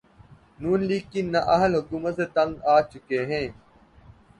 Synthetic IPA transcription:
nuːnliːkːiːnːɐʔɐɦəlɦʊkuːmət̪seːt̪ɐ̃ŋɡaːt͡ʃʊkeːɦẽː

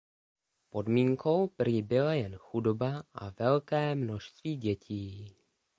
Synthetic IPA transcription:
po̞dmiːŋkʰo̞wprɪbɪlajɛnxudo̞baʔa̰vɛlkɛːmno̞ʃst̪viːɟɛcʰiː

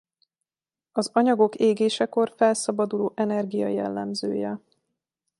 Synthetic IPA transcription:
ɒzɒɲɒɡo̞keːɡeːʃɛko̞rfɛlsɒbɒd̪uloːʔɛnɛrɡijɒ̰jɛ̰lːɛ̰mzø̰ːjɛ

